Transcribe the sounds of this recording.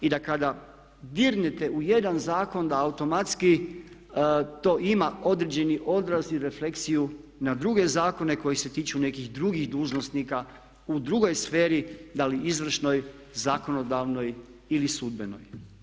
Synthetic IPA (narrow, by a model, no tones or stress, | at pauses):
id̪akad̪a | d̪iɾnet̪e̞uje̞d̪anzaːko̞nd̪aːut̪o̞mat̪ski | t̪o̞ːʔimao̞d̪ɾed͡ʑe̞niʔo̞d̪ɾaziɾe̞fle̞ksiju | nad̪ɾuɡe̞zaːko̞ne̞ko̞jise̞t̪iːt͡ʃune̞kiɣd̪ɾuɡixd̪uːʒno̞snika | ud̪ɾuɡo̞jsfe̞ːɾid̪aliizʋr̩ʃno̞j | zako̞no̞d̪aʋno̞jilisud̪be̞no̞̰j